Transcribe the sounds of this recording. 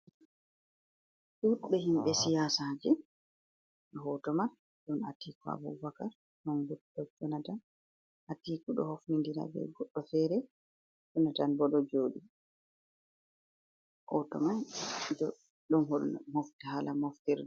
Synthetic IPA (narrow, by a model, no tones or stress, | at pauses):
ɗuɓɛɦimɓɛsijaːsad͡ʒɛ | ɦɔtɔman | ɗɔnatiːka̰bɔ̰vakaɾ | ɗɔnɡudɔd͡ʒɔnatan | hatikuɗɔ̰hofnindiɾa̰bɛ̰ɡɔɗːɔfɛːɾɛ | d͡ʒɔnatanbɔɗɔd͡ʒoːɗi | hɔtɔ̰mand͡ʒɔ | ɗɔnɦɔlmɔftɛhalamɔftɛɾ